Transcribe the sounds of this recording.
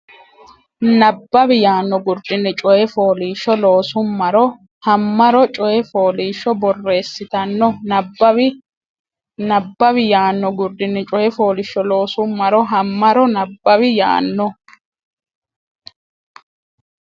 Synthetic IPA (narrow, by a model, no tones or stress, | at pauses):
nɐbːɐbɪjaːnːɔɡʊɾd̪ɪnːɪt͡ʃʼɔjɛfoːliːʃɔloːsʊmːɐɾɔ | hɐmːɐɾɔt͡ʃʼɔjɛfoːliːʃɔbɔrːe̞ːsːɪt̪ɐnːɔnɐbɐ | nɐbːɐβɪjaːnːɔɡʊɾd̪ɪnːɪt͡ʃʼɔjɛfo̞ːlɪʃːɔlo̞ːsʊmːɐɾɔɦɐmːɐɾɔnɐbːɐβɪja̰ːnːɔ